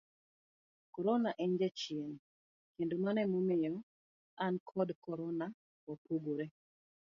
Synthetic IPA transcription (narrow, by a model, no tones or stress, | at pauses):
kɔɾɔnaʔɛɲd͡ʒɛt͡ʃien | kendomanɛmomɪjɔ | ankʰɔdkɔɾɔna | ɔpoɡoɾe